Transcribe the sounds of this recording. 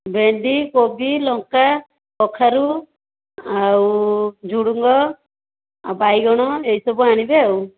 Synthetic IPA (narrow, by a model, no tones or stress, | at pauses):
beɳd̪ikobilɔŋka | pɔkʰaɾu | awd͡ʒuɽuŋɡɔ | bajɡɔɽ̃ɔejsɔbuaɽ̃ibeaw